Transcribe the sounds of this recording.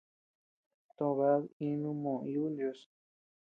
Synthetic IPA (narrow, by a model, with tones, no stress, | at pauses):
t̪õ˧˨βa˦i˧˦nũ˧˦mõ˨˧ju˦ljo˧s